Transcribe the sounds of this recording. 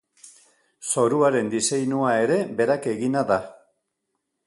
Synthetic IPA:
so̞ɾuaɾe̞nd̪ise̞jnuae̞ɾe̞be̞ɾake̞ɣinaða

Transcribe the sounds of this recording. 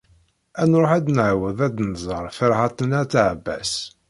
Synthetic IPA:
ænɾˤoħæd̪nʕwəðæd̪nzˤəɾˤfəɾhɑt̪ˤənæt͡sːʕbːæ̰s

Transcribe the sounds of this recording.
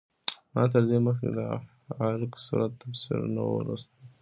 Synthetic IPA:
mɑt̪̬əɾd̪eməxkḛd̪əa̰f | ɑlksṵɾat̪ːafsḭɾna̰woɾust̪ə

